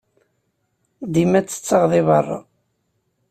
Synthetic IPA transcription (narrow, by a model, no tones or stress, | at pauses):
d̪imæt͡sːə̥t͡sːɑʁðɪβɑrˤːɑ̰